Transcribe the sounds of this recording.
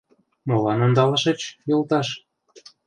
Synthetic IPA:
molɑnond̪ɑlɑʃĕt͡ɕjolt̪ɑʃ

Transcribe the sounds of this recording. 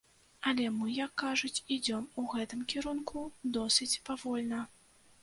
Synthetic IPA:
ɐlʲɛmɨjɐkːaʐut͡sʲid͡zʲɔmuɣɛt̪ɨmkʲiɾunkʰud̪ɔsʲɨt͡sʲpavɔlʲnɐ

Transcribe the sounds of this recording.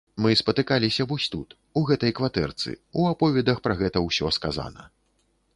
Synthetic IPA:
mɨspɐt̪ɨkalʲisʲɐvɔsʲt̪ut̪ | uɣɛt̪ɐjkvat̪ɛ̰rt̪sɨ̰uapɔvʲɛd̪ɐxpɾɐɣɛt̪ɐwsʲɔskaza̰nɐ̰

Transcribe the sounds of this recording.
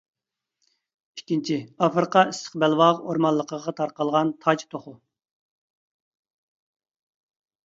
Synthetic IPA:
i̥kʲːint͡ʃʰiɑfɾɨqʰɑisʰə̥qbɛlwɑʁoɾmɑlˠːəqʰəʁɑt̪ʰɑɾqɑlˠʁɑnt̪ʰɑd͡ʒt̪ʰoχʊ

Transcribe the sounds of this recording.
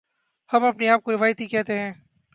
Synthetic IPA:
hɐmɐpniaːp̚koɾɪʋaːjət̪ikɛɦt̪eɦɛ̃ː

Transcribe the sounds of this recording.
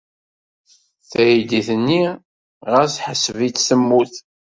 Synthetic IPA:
θæjid̪iθənːi | ʁəɾsħəsːəvit͡sːθəmːuθ

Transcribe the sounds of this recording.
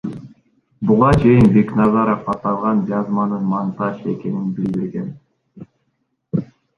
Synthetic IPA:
buʁɑt͡ʃʰe̞jinbe̞knɑzɑɾofqɑt̪ɑlˠʁɑnd͡ʒɑzmɑnɯnmɑnt̪ɑʃe̞ke̞ninbild̪iɾɡe̞n

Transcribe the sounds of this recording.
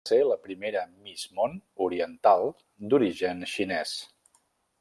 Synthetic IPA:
seləpɾimeɾəmizmonuɾiənt̪alˠ | d̪uɾiʒənʃinɛs

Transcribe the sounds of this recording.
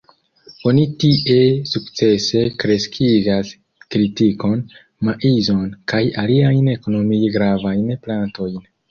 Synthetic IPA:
o̞nitiʔe̞sukt͡se̞se̞kɾe̞skʰiɡas | kɾitiko̞n | maʔizo̞nkajaliajne̞ko̞no̞mijɡɾavajnplanto̞jn

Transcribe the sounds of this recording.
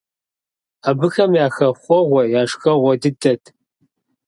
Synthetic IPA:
aːbɨxɐmjaːxɐχʷɔʁʷɐjaːʂxɐʁʷɔdɨdʰʼɐtʰ

